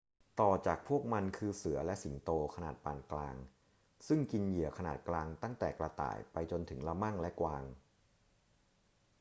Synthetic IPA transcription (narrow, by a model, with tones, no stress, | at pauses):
t̪ɔː˨˩t͡ɕaː˨˩k̚pʰu˥˩ək̚ma˧nkʰɯː˧sɯ˩˦ɐlɛ˦˥ʔsi˩˦nt̪oː˧kʰa˧naː˨˩t̪̚paː˨˩nklaː˧ŋ | sɯ˥˩ŋki˧nji˨˩˦əkʰa˧naː˨˩t̪̚klaː˧ŋt̪a˥˩ŋt̪ɛː˨˩kla˧t̪a̰ː˨˩jpa˧jt͡ɕo˧nt̪ʰɯ˩˦ŋla˧ma˥˩ŋlɛ˦˥kwaː˧ŋ